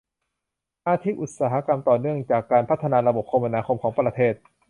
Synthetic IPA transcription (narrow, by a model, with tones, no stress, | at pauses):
ʔaː˧˥t̪ʰiː˦˥˩ʔu˨˩t̪̚saː˩˦ɦa˦˥ka˧mt̪ɔː˨˩nɯ˥˩əŋt͡ɕaː˨˩kːaː˧npʰa˦˥t̪ʰːa˧naː˧ɾa˧bo˨˩p̚kʰo˧mʔa˧naː˧kʰo˧mkʰɔː˩˦ŋpɾa˧t̪ʰeː˥˩t̪̚